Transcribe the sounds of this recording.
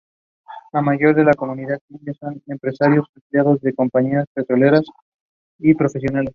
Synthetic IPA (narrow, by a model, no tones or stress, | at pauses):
lamaʝo̞ɾðe̞lako̞muniðaðinjaso̞ne̞mpɾe̞saɾjo̞sampljaɣ̞o̞zðe̞ko̞mpaɲiaspe̞t̪ɾo̞le̞ɾas | ipɾo̞fe̞s̬jonale̞s